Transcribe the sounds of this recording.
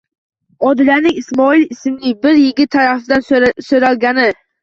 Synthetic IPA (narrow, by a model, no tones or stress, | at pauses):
ɒd̪ɪlanɪŋɪsmɒɪlɪsɪmlɪbɪɾjɪɡʲɪt̪ʰːaɾafɪd̪ansoɾalˠɡʲanɪ